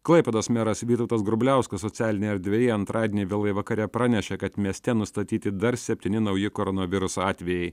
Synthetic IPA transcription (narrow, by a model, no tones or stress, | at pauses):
klˠɐɪpʲɛd̪oːsmʲɛɾɐsʋʲiːt̪ɐʊt̪ɐsɡɾʊbʲlʲæˑʊskɐsɔt̪t͡s̪ʲæːlʲɪnʲɛɐɾd̪ʲʋʲɛjɛɐnt̪ɾʔɑːd̪ʲeːnʲɪʋʲɪlˠɐjʋɐkɐɾʲɛpɾɑːnʲɛʃʲɛkɐt̪mʲiɛsʲt̪ʲɛnʊst̪ɐt̪ʲiːt̪ʲɪd̪ɐɾsʲɛpʲt̪ʲinʲɪnɐʊjɪkoɾɔnoʋʲɪɾʊsoɑːt̪ʲʋʲɛjɛɪ